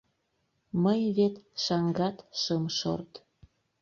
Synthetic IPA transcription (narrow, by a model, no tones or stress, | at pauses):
məjβet̪ʃɑŋɡɑt̪ʃəmʃo̰rt̪